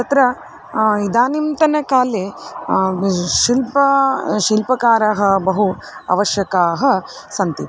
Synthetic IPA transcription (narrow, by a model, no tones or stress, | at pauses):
t̪ɐt̪ɾɐ | id̪aːnimt̪ɐnɐkaːle | ʃilpɐʃilpɐkaːɾɐɦɐ̆bɐɦu | ɐ̰ʋɐʃjɐkaːɦɐ̆ | sɐnt̪i